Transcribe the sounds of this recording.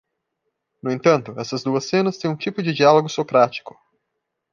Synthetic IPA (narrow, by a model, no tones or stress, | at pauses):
nʊẽnt̪ɐ̃nt̪ʊɛsɐzd̪uɐsːẽnɐst̪ẽj̃ũt͡ʃipʊd͡ʒɪd͡ʒialoɡʊsokɾat͡ʃi̥kʊ̥